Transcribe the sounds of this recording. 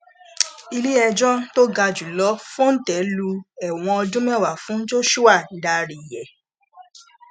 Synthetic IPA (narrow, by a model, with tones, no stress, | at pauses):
i˧li˦ɛ˧d͡ʒɔ̃˦to˦ɡa˧d͡ʒu˨lɔ˨˦fũ˦n̩˦tɛ˨˦lu˧ɛ˨w̃ɔ̃˧ɔ˧dũ˦mɛ̃˦˨wa˨fũ˨˦d͡ʒo˦ʃu˦a˦˨da˧ɾi˨jɛ˨